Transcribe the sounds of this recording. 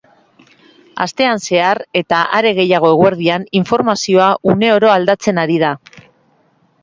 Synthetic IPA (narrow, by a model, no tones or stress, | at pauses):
a̰st̪e̞anse̞aɾe̞t̪aʔaɾe̞ɣ̞e̞jaɣ̞o̞e̞ɣwe̞ɾð̞ianiɱfo̞ɾmasio̞aʔune̞o̞ɾo̞ald̪at͡se̞naɾið̞a